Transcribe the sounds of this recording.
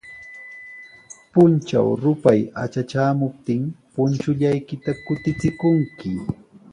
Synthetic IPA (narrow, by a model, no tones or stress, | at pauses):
pʊnt͡ʃa̰wɾʊpajat͡ʃat͡ʃaːmʊp̚t̪ɪŋpʊnt͡ʃʊʎajkɪt̪akʊt̪ɪt͡sɪkʊŋkɪ